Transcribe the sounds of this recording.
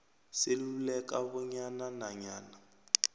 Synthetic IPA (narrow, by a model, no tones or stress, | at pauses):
sɪlulɛkaβɔɲananaɲaːna